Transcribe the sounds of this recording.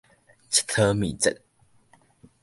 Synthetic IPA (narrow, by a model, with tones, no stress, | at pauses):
t͡ɕʰi̥˨t̪ʰə˦mḭ˨t͡sə̰˨t̚